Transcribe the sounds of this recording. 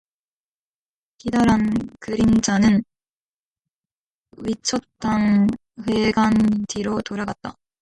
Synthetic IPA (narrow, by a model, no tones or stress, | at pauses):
kidaɾankɯɾind͡ʑanɯn | ɥit͡ɕʰʌt͈aŋ | ɸwe̞ɡantʰiɾotoɾaɡat̚t͈a̰